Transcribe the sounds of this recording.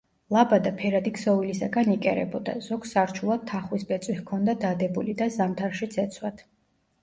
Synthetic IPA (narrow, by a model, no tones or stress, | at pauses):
lˠabad̪apʰɛɾad̪ikʰsɔvilisaɡanikʼɛ̰ɾɛ̰bɔd̪a̰z̥ɔɡsaɾt͡ʃʰulˠad̪̚t̪ʰaχwisbɛt̪sʼwihkʰɔnd̪ad̪ad̪ɛbulid̪azamt̪ʰaɾʃit̪sʰɛt̪sʰwat̪ʰ